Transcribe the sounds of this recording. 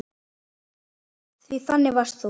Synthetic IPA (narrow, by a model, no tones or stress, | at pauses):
θviθanːɪvḁst̪θu